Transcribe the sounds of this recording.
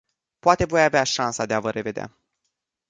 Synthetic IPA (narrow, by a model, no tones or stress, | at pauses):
poat̪e̞vo̞javeaʃansad̪e̞avəɾʔe̞ve̞d̪ea̰